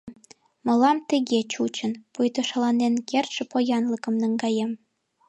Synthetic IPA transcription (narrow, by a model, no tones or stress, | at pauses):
mɤ̆lɑmt̪əɣet͡ɕut͡ɕənpujt̪oʃɑlɑnenkert̪ʃĕpojɑnləkə̆mnə̆ŋɡɑjem